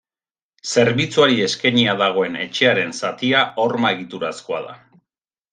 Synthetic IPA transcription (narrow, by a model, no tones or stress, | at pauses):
se̞ɾβit͡suaɾie̞skeɲiaðaɣ̞o̞e̞ne̞t͡ʃe̞aɾe̞nsat̪iaʔoɾmae̞ɣ̞it̪uɾasko̞a̰ða̰